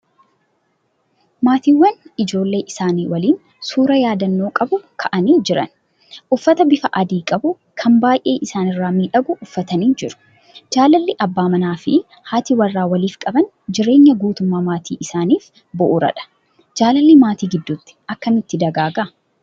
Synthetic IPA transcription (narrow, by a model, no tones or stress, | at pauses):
maːt̪iːwːɐnɪd͡ʒo̞ːlːe̞ːʔɪsaːniːwɐliːn | suːɾɐjaːd̪ɐnːo̞ːkʼɐbʊkʰɐʔɐniːd͡ʒɪɾɐ̰n | ʔʊfːɐt̪ɐbɪfɐʔɐd̪iːkʼɐbʊ | kʰɐmbaːjʔe̞ːʔɪsaːnɪrːaːmiᶑɐɡʊʔʊfːɐt̪ɐniːd͡ʒɪɾʊ̥ | d͡ʒaːlɐlːɪʔɐbːaːmɐnaːfɪ̰ | haːt̪iwɐrːaːwɐliːfkʼɐbɐn | d͡ʒɪɾe̞ːɲːɐɡuːt̪ʊmːaːmaːt̪ʰḭːʔɪsaːniːf | bɔʔʊɾɐ̰ᶑɐ̥ | d͡ʒaːlɐlːɪmaːt̪iːɡɪd̪ːʊt̪ːɪ̥ʔɐkːɐnɪt̪ːɪd̪ɐɡaːɡɐ